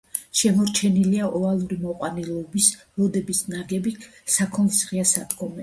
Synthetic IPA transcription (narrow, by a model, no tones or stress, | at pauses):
ʃɛmɔɾt͡ʃʰɛniliaʔɔalˠuɾimɔqʼwanɛlˠɔbis | ɾɔd̪ɛbisnaɡɛbikʰ | sakʰɔnsʁiasad̪ɡɔmɛ